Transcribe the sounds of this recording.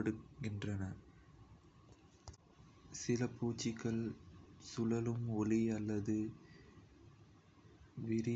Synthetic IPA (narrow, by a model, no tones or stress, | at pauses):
ɐɽɯkɪndrɐnɐ | sɪlɐpːuːt͡ʃːɪkːɐɭsʊɻɐlɯmɔliɐlːɐðɯ | ʋɪɾɪ